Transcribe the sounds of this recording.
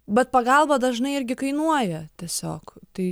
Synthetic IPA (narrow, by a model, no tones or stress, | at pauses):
bʲɛt̪̚pɐɡɐlˠbɐd̪ɐʒnɐɪɪɾʲɡʲɪkɐɪnuɔjɛt̪ʲiɛsʲo̰ːkt̪ɐɪ